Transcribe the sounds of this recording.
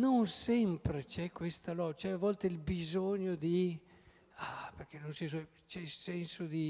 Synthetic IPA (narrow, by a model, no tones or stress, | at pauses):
noŋsɛmpɾet͡ʃɛkwest̪alɔt͡ʃɛavɔlt̪eilbizoɲod̪i | aperkenonsis̬ɔ | t͡ʃɛilsɛnsod̪i